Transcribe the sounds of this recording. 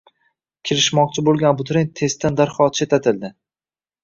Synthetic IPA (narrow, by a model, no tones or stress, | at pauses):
kʲʰɪɾɪʃmɒq̚t͡ʃʰɪbolˠɡʲanbʊt̪ɾenʲt̪ʰe̞st̪ʰand̪aɾχɒt̪̚t͡ʃʰet̪ʰat̪ʰɪld̪ɪ